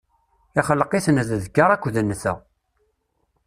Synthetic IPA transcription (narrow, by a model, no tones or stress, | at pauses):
iχəlːəqiθnððkːaɾˤækʷːðənːθæ̰